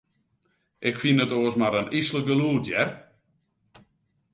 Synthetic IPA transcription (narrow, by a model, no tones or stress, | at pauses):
ʔɪkfinətoəsmaɾənislək̚ɡəluːtjɛr